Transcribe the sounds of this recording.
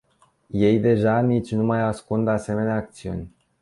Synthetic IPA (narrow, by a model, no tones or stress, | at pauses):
je̞jd̪e̞ʒanit͡ʃʲnumajaskund̪ase̞me̞neaːk̚t̪siṵnʲ